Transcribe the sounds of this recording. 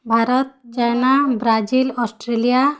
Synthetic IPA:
bʱaɾɔt̪̚t͡ʃajnabɾad͡ʒilɔsʈɾelija

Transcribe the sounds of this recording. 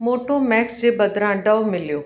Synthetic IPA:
moːʈomɛːksd͡ʑebɐd̪ɾãɖəʋmɪljoː

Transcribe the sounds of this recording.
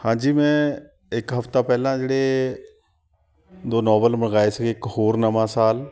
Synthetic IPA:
hãːɲd͡ʑiːmɛ̃ | ɪkɦɐft̪apɛɦlãd͡ʒeɽe | d̪oːnɔːʋəlmɪɽɡaːesɐɡekɦoːɾnɐmãsaːl

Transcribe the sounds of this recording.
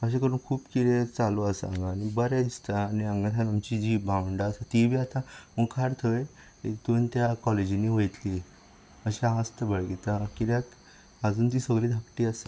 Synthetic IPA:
əɕ̬ekəɾuːnkʰuːpkiɾet͡saloasəa̰ŋɡaːñibəɾjad̪ist̪aːniaŋɡãt̪ʰanamt͡ɕid͡ʑibʱãwəɳɖaːsat̪ibʱiːat̪ãməkʰaɾt̪ʰəe | et̪ont̪jakɔled͡ʑiniʋəjt̪li | əɕãɦãst̪əbəɭɡet̪akiɾjak | əd͡zuːnt̪̬iːsəɡliːd̪ʱəkʈiːas

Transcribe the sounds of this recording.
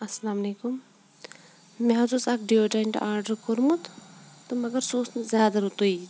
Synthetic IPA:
ɐsɐlaːmɐleːkum | meɦɐzusaːkɖijoːd͡ʒaɪɳʈaːɾɖɐɾkoɾmut̪t̪omɐɡɐɾsoːsnzjaːd̪ɐɾut̪ui

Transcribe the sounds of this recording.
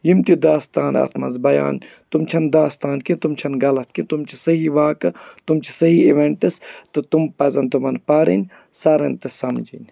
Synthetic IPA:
jimt̪id̪aːst̪aːnɐ̰t̪ʰmɐ̰nzbɐja̰ːn | t̪umt͡ʃʰɐnd̪aːst̪aːnkint̪umt͡ʃʰɐnɡɐlɐt̪̚ʰkint̪umt͡ʃʰisɐɦiʋaːkɨt̪umt͡ʃʰi̥sɐɦiiʋeɳʈɨst̪ɨt̪umpɐzɐnt̪umɐnpaːɾḭnʲ | saːɾɐnt̪ɐsɐmd͡ʒinʲ

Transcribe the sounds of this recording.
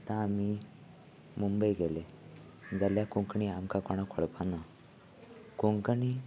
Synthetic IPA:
t̪ãːmi | mumbəjɡele | d͡zaljakuŋkɳiamkakɔɽ̃akʰɔɽpana | kuŋkəɳi

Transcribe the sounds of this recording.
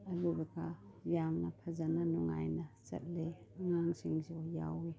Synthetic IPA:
alubekʰajamnapʰazananɔŋa̰jnasa̰t̚leaŋaŋsiŋsiɔja̰wi

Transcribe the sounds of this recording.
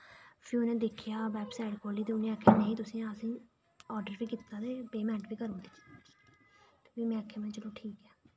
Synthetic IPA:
pʰiʊnẽːd̪ɪkʰɪjaːʋɛːpsaːɪɖkʰoːliːt̪eːʊnẽːəkʰːeːnẽːĩːt̪ʊsĩːasĩː | ɔːɾɖəɾpiːkɪt̪ːaːt̪eːpeːmɛ̃ːɳʈbiːkəɾõnd̪iː | ʋiːmɛ̃ːəkʰːẽːmenːt͡ʃəloːʈʰiːkɛː

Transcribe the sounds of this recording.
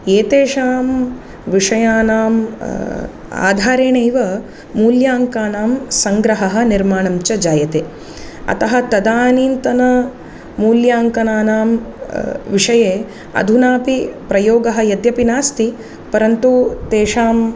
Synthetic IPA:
eːt̪eːʂaːm | ʋiʂɐjaːnaːm | a̰ːd̪ʱaːɾeːɳejʋɐ | muːljaːŋkaːnaːmsɐŋɡɾɐɦɐɦɐ̆niɾmaːɳɐmt͡ʃɐd͡ʒaːjɐt̪eː | ɐ̰t̪ɐɦɐt̪ɐd̪aːniːnt̪ɐnɐ | muːljaːŋkɐnaːnaːm | ʋiʂɐjeː | ɐ̰d̪ʱunaːpipɾɐjoːɡɐɦɐ̆jɐd̪jɐpinaːst̪i | pɐɾɐnt̪ut̪eːʂaːm

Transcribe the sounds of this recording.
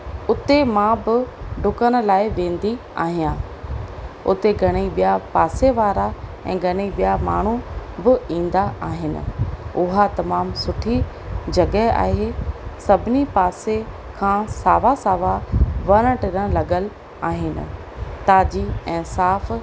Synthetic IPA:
ʊt̪emãbɪɖʱʊkəɽ̃ʊ̆laːɪʋẽːn̆d̪i | a̰ːɦijãː | ʊ̰t̪eɡʱɐɽ̃iɓijapaːseʋaːɾa | ɛ̰̃ːɡʱɐɽ̃iɓijama̰ːɳ̤ubɪĩːn̆d̪aʔaːɦɪnɪ̰̆ʊɦat̪ɐmaːmsʊʈʰi | d͡ʑɐɡɛa̰ːɦesɐbʱɪnipaːse | kʰãːsaːʋasaːʋaʋɐɾ̃ə̃ʈɪɾə̃lɐɡəl | aːɦɪnɪ̰̆ | t̪aːd͡ʑiɛ̃ːsaːf

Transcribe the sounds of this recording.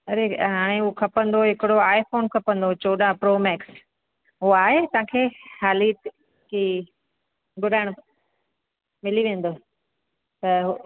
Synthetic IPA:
ɐɾeɦaːɽ̃eukʰɐpə̃nd̪oɦɪkɪɽoaːɪfoːnkʰɐpə̃nd̪ot͡ɕoːɗãpɾoːmɛːks | ɦʊaːɦet̪ɐãːkʰeːhaːlit̪ | ki | ɡʊɗaːɪɽ̃ | mɪliʋẽːn̆d̪o | t̪ɐɦ

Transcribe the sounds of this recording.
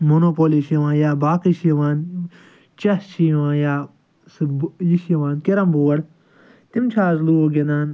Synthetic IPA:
monoːpoliʃjɐʋãːnjaːbaːkiʃjɐʋaːn | t͡ʃɐst͡ʃʰiʋãːnjaː | sjiʃjɐʋãːnkeɾɐmboːwɐɽ | t̪imt͡ʃʰaːzluoɡʲend̪aːn

